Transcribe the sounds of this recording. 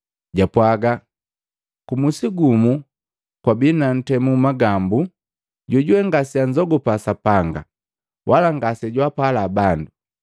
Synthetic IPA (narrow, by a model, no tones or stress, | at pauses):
ɟapwaɡa | kumusiɡumu | kwabinan̩tɛmumaɡambu | ɟɔɟuɛŋɡasiaɲd͡ʒɔɡɔpasapaŋɡa̰ | wʔalaŋɡasɛɟwapalaːbandu